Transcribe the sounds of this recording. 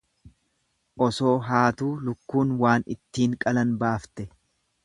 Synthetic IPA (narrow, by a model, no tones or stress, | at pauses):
ʔɔso̞ːɦaːt̪uːlʊkːuːnwaːnɪ̰t̪ːiːŋkʼɐlɐnbaːft̪ɛ